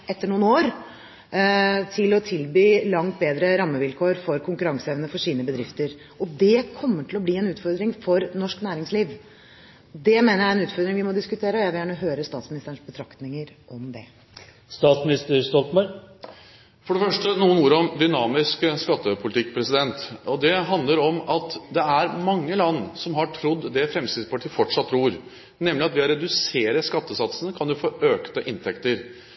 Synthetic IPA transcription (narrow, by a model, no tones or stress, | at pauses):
ʔɛt̪ːəɳuːnoːɾ | t̪ʰɪlɔt̪ʰɪlbyːlɑŋt̪̚beːd̪ɾəɾɑmːəʋɪlkʰoːɾfɔɾkʰʊŋkʉɾɑŋsəeːʋnəfɔʂiːnəbəd̪ɾɪft̪əɾ | ɔd̪ɛkʰɔmːəʈʰɪlɔbliːɛnʉːt̪fɔɾd̪ɾɪŋfɔɾnɔʂknæːɾɪŋsliːʋ | d̪ɛmeːnəɾjæɛnʉːt̪fɔɾd̪ɾɪŋʋɪmɔd̪ɪskʉt̪ʰeːɾəɔjæɪʋɪljæːɳəɦøːɾəst̪ɑːt̪smɪnɪst̪əɳ̩ʂbət̪ʰɾɑkt̪nɪŋəɾʔɔmd̪ɛ̰ | st̪ɑːt̪smɪnɪst̪əɾst̪ɔlt̪mɑɾ | fɔɖɛfœʂʈənuːənuːɾəɔmd̪ʏnɑːmɪskəskɑt̪ːəpʰʊlɪt̪ʰɪkːpʰɾɛsɪd̪ɛnt̪ɔd̪ɛɦɑnd̪ləɾɔmɑt̪d̪ɛæɾmɑŋːəlɑnːsɔmɦɑʈʰɾʊd̪ːd̪ɛfɾɛmst̪ɪspɑʈʰiːəfɔʈʂɑt̪ːɾuːɾ | nɛmlɪɑt̪ʋɪɔɾɛd̪ʉseːɾəskɑt̪ːəsɑt̪sənəkʰɑnjʊfoːʔøːkt̪əʔɪnt̪ʰɛkt̪əɾ